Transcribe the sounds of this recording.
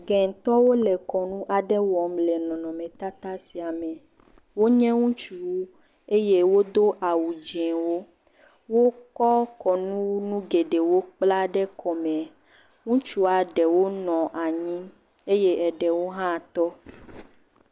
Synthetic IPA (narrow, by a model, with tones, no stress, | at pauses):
ɡɛ˨ŋ̩˨t̪ɔ˦wo˦lɛ˨kɔ˨nũ˦ʔa˨ɖɛ˦wɔ˨˦mlɛ˨nɔ̃˨nɔ̃˨mɛ̃˨t̪a˦t̪a˦si˨a˨mɛ̃˨ | wo˦ɲɛ̃˦ŋũ˦t͡ʃu˨˦˨ | e˦je˦wo˦d̪o˦ʔa˨wu˨d͡ʒẽ˨wo˦ | wo˦kɔ˦kɔ˨nũ˦nũ˦ɡe˨ɖe˨wo˦k͡pla˦ɖɛ˦kʰɔ˨mɛ̃˨ | ŋũ˦t͡ʃu˦a˨ɖɛ˨wo˦nɔ̃˨ʔa˨ɲĩ˦ | e˦je˦ɛ˨ɖɛ˨wo˦ɦã˦˨t̪ɔ˦